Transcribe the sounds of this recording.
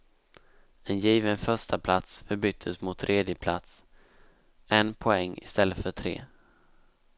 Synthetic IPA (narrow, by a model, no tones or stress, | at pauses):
ɛnjiːvənfœʂʈapʰlat̪sfœɾbʏt̪ʰːəsmʊt̪ʰːɾʔeːd̪jəpʰla̰t̪s | ɛnpʰɔɛŋːɪ̰st̪ɛlːət̪fœʈʰɾḛː